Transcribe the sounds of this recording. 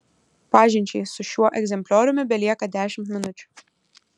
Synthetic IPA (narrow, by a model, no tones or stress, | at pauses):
pɑːʒʲɪnʲt͡ʃʲɛjsʊʃʲuɔʔɛɡzʲɛmʲpʲlʲɔːɾʲʊmʲɪbʲɛlʲiɛkɐd̪ʲæːʃʲɪmt̪mʲɪnʊt͡ʃʲʊ̥